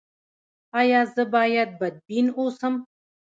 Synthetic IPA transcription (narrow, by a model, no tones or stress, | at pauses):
ajaːzɨbaːjɐt̪̚bɐd̪̚biːnoːsɐm